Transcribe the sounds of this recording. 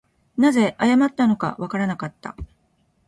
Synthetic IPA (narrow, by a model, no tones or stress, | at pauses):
naze̞ʔajamat̪ːano̞ka̰βakaɾanakat̪ːa̰